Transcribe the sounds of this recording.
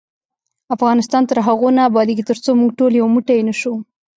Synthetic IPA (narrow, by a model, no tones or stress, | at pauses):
afɣɑnɪst̪ɑnt̪əɾɦaɣonaːbɑd̪iɡit̪əɾt͡somuɡʈoljawamuʈajenəʃu